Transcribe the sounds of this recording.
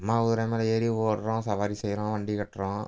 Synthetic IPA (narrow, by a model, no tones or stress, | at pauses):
mːaːʊðɾɐmɐlɐeːɾiʋoːɾɾõsɐʋaːɾisɛjɾõːʋɐɳɖikɐʈːɾõ